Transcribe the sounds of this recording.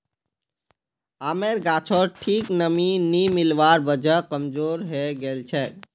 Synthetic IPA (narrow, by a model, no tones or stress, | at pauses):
ameɾɡat͡ʃʰɔɾʈʰiknəminimilʋaɾbəd͡ʒəkəmd͡ʒoɾɦeɡelt͡ʃʰɛ